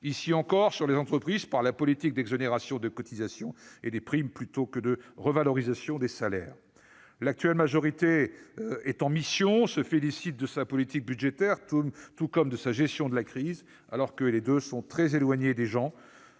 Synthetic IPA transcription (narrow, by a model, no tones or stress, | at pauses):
isiɑ̃kɔʁsyʁlezɑ̃t̪χəpχizpaʁlapɔlit̪ik̚d̪ɛɡzɔneʁasjɔ̃d̪əkɔt̪izasjɔ̃ed̪epχimplyt̪okəd̪əʁəvalɔʁizasjɔ̃d̪esalɛ̰ːʁ | lak̚t̪ɥɛlmaʒɔʁit̪e | ɛt̪ɑ̃misjɔ̃səfelisit̪̚d̪əsapɔlit̪ik̚byd̪ʒet̪ɛʁt̪mt̪ukɔmd̪əsaʒɛst̪jɔ̃d̪əlakχiz | a̰lɔʁkəled̪øsɔ̃t̪χɛzelwaɲed̪eʒɑ̃